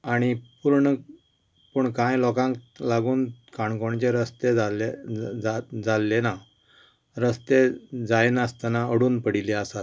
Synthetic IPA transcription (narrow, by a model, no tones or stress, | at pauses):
aɽ̃ipuɾɳə | pəɳkãjlɔkãŋklaɡuːnkʰaɳkoɳt͡ɕeɾəst̪ealead͡zalːena | ɾəst̪ed͡zajenəst̪anaəɽuːnpəɽ̤ileəsat̪